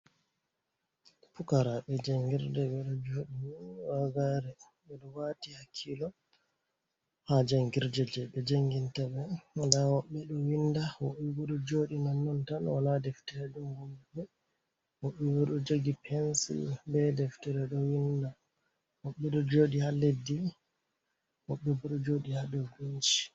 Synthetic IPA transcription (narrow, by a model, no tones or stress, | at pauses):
fukaɾaɓɛd͡ʒaŋɡiɾdɛɓɛɗɔd͡ʒoɗiwunwaɡaɾɛ | ɓɛɗɔwatihakʰːilɔ | had͡ʒaŋɡiɾd͡ʒɛd͡ʒɛɓɛd͡ʒaŋɡintaɓɛndawɔɓːɛɗɔwindawɔɓɛwuɗɔd͡ʒoɗinanːɔntanwanadɛftɛɾɛɗɔmɡɔbɛ | wɔɓːɛwuɗɔd͡ʒoɡipʰɛnsḭlbɛdɛftɛɾɛɗɔwinda | wɔɓːɛɗɔd͡ʒoɗihalːedi | wɔɓːɛbɔɗɔd͡ʒoɗihaɗɔɡuɲd͡ʒi̥